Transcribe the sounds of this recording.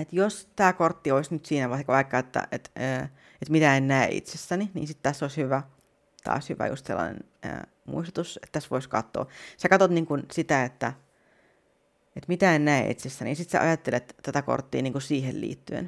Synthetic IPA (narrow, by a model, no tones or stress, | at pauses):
et̪jost̪æːkort̪ːioisnyt̪siːnæʋɑkʋɑikːɑet̪ːæ̰ʔet̪øː | et̪mit̪æennæḛʔḭt̪sesːæninḭːnsit̪t̪æsːoˑishyʋæ | t̪ʰɑ̰ːshyʋæ̰jṵst̪sḛlːɑ̰nḛn | ə̰ː | mṵist̪ut̪uset̪t̪æsʋoiskɑt̪ːo̰ːsekɑt̪ot̪niːŋkunsit̪æet̪ːæ | et̪mit̪æennæḛʔḭt̪sest̪ænḭsit̪sḛʔɑ̰jɑt̪ːelet̪t̪æt̪æko̰rt̪ːḭːniːŋkusiːhellḭːt̪ːyḛn